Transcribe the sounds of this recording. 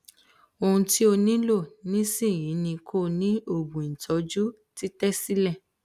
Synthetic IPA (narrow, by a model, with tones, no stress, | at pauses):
o˧hũ˧ti˦o˧nĩ˦lo˦˨nĩ˦sĩ˦˨jĩ˨˦nĩ˧kʰo˦˨nĩ˦o˦˨bũ˨i˨tʰɔ˨˧˦d͡ʒu˦ | ti˦tɛ˦si˦lɛ˦˨